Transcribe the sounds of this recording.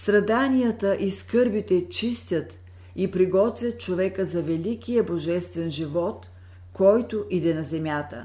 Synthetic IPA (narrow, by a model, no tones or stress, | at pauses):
st̪ɾɐd̪anijət̪əʔiskɤɾbit̪ɛt͡ʃist̪ʲət̪ | ipɾiɡɔt̪vʲjət̪̚t͡ʃovɛkəzɐvɛlikijəboʒɛst̪vɛnʒivɔt̪ | kɔjt̪oʔid̪ɛnɐzɛmʲjat̪ə̰